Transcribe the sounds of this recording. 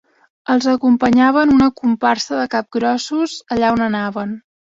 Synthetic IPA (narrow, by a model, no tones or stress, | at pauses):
əlˠzəkumpəɲaβənunəkumparsəðəkap̚ɡɾɔsuzəʎaonənaβən